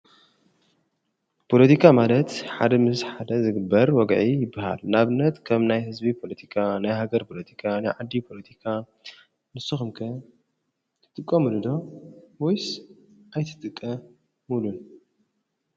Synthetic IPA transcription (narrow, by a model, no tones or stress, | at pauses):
pʰo̞lɐt̪ʰikʰamalɐt̪ħad̪ɐmɨsħad̪ɐzɨɡɨbːɐɾwɔɡʕijɪbːaha̰lnaβɨnːɐt̪kʰɐmnajhɨzbipʰo̞lɐt̪ʰi̥kʰanajɦaɡɐɾpʰo̞lɐt̪ʰi̥kʰanajʕad̪ːipʰo̞lɐt̪ʰikʰa | nɨsuxɨmkʰɐ | t̪ʰɨ̥t̪ʼɨkʼːɐmɨlɨd̪o̞wojsʔajt̪ʰɨ̥t̪ʼɨkʼːɐ | mulun